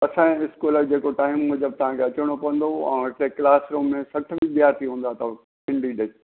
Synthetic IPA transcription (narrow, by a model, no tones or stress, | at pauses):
ɐsãɪskuːləd͡ʑeːkoʈaːɦɪmːʊd͡ʑəb̚t̪ɐʋ̤ãːkʰeɐt͡ɕɽ̃opɐʋə̃n̆d̪oɛ̰̃ːɪʈleklaːsɾõːmːẽsɐʈ̆ʰbɪ̃ɡjat̪ʰiɦũːn̆d̪at̪ɐ | pɪ̃ɳɖiɖe